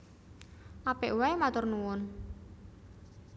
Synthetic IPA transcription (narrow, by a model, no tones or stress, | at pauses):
ʔapɛʔwaemat̪ʊrnuwʊn